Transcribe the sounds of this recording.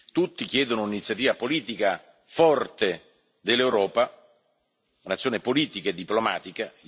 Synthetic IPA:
t̪ut̪ːik̟jɛːd̪onouninit̪sjat̪iːvapoliːt̪ika | fɔrt̪e | d̪elːewɾɔːpa | unat̪sːjoːnepoliːt̪ikaed̪ːiploma̰ːt̪ika

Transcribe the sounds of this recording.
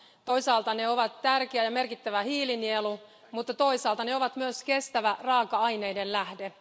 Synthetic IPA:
t̪ojsɑːlt̪ɑneoʋɑt̪tærkeæjɑme̞rkit̪ːæʋæhiːlinielu | mut̪ːɑt̪o̞isɑːlt̪ɑneoʋɑt̪myøske̞st̪æʋærɑːkɑɑjne̞jdellæhde

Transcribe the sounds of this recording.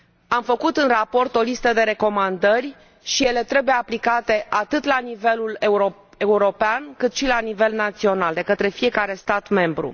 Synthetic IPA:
amfəkut̪ɨnrapo̞rt̪o̞list̪əd̪e̞ɾe̞ko̞mand̪ərʲ | ʃije̞le̞t̪ɾe̞bujeaplikat̪e̞ʔat̪ɨt̪lanive̞luleɾo | e̞uɾo̞peankɨt̪ʃilanive̞lnat̪sio̞nald̪e̞kət̪ɾe̞fije̞kaɾe̞st̪at̪me̞mbɾṵ

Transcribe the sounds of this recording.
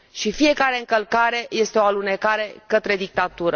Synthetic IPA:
ʃifije̞kaɾe̞ɨŋkəlkaɾe̞je̞st̪eo̞alune̞kaɾe̞kət̪ɾe̞d̪ik̚t̪at̪uɾə

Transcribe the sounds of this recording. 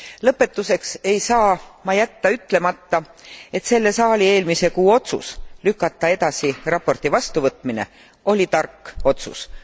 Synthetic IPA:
lɤpːˑe̞t̪ːˑuse̞kse̞jsɑːmɑjæt̪ːɑyt̪ːle̞mɑt̪ːɑ | e̞t̪se̞lːe̞sɑːlʲie̞ːlmise̞kuːo̞t̪sṵslykːˑɑt̪ːˑɑe̞t̪ɑsirɑpːo̞rt̪ivɑst̪uvɤt̪ˑmine̞̰ | o̞lʲit̪ɑrkːo̞t̪sṵs

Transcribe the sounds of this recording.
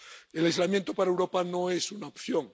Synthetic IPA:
elajzlamjent̪opaɾaewɾopanoesunaopθjoŋ

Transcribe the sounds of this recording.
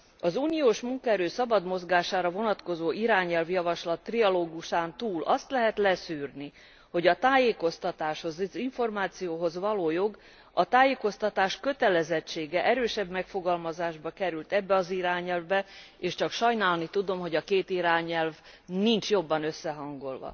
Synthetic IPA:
ɒzuːnijoːʃmuŋkɒɛɾøːsɒbɒd̪mo̞zɡaːʃaːɾɒvo̞nɒt̪ko̞zoːʔiɾaːɲɛlvjɒvɒʃlɒt̪ːriɒloːɡuʃaːnt̪uːlʔɒst̪lɛɦɛt̪lɛsyːrni | ho̞ɟɒt̪aːjeːko̞st̪ɒt̪aːʃho̞zziɱfo̞rmaːt̪sijoːɦo̞zvɒloːjo̞ɡ | ɒt̪aːjeːko̞st̪ɒt̪aːʃkø̞t̪ɛlɛzɛt͡ʃːeːɡɛʔɛɾøːʃɛbmɛkfo̞ɡɒlmɒzaːʒbɒkɛɾylt̪ɛbːɛɒziɾaːɲɛlvbɛ | eːʃt͡ʃɒkʃɒjnaːlnit̪ud̪o̞mɦo̞ɟɒkeːt̪iɾaːɲɛlv | nint͡ʃjo̞bːɒnø̞sːɛɦɒŋɡo̞̰lvɒ̰

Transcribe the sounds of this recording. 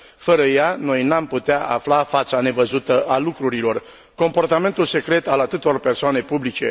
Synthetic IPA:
fəɾəjano̞jnamput̪eaʔa̰flafat̪sane̞vəzut̪əʔalukɾuɾilo̞r | ko̞mpo̞rt̪ame̞nt̪ulse̞kɾe̞t̪alat̪ɨt̪orpe̞rsoane̞publit͡ʃe̞̰

